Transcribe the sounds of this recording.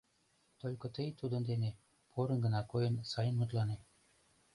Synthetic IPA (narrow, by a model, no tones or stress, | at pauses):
t̪ølʲkɤ̆t̪əjt̪ud̪ɤ̆nd̪ene | pʰoɾɤ̆nɡə̆nɑkojɤ̆nsɑjə̆nmut̪lˠɑne